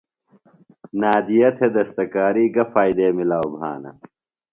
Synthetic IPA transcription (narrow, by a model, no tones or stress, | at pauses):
naːd̪ijɐt̪ʰed̪ɐst̪ɐkaːɾiːɡɐfaːjd̪eːmilaːwbʱa̰ːnɐ̰